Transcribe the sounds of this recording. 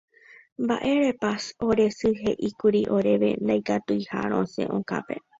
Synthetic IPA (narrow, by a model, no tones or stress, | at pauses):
mbaʔe̞ɾepaso̞ɾe̞sɨɦe̞ʔikuɾiʔo̞ɾe̞ʋḛnd̪ajkat̪ujha̰ɾ̃õsẽ̞̰ʔõka̰pe̞̰